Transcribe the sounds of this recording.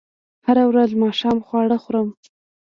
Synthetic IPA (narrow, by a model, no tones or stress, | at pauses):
haɾawɾazmɑʃɑmxwɑɽəxɾəm